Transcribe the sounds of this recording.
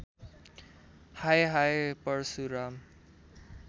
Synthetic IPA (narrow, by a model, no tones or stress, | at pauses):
hajɦajpʌɾsuɾam